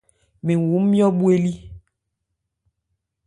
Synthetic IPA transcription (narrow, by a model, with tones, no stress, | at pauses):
mẽ˨wu˨˦m̩˦mĩ˦ɔ˦ɓu˦e˦li˦